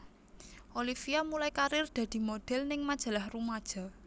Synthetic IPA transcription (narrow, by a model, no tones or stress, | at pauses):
ʔolifiamulajkaɾɪrd̪̥ä̤d̪̥i̤mod̪̥ɛ̤lnɪŋmad̥ʒ̥a̤lahrumad̥ʒ̥a̤